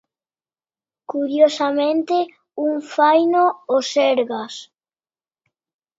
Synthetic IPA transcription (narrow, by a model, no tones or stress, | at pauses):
kuɾjosamẽnt̪e | uŋfajnoosɛɾɣas